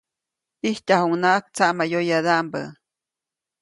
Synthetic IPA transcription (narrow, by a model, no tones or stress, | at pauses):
ihcahuŋnaʔak̚t͡saʔmajojad̪aʔmbə̰